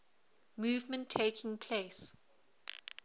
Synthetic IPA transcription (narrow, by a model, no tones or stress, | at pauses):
muːvmə̃ntʰːeːkʰɪ̃ŋpʰleːs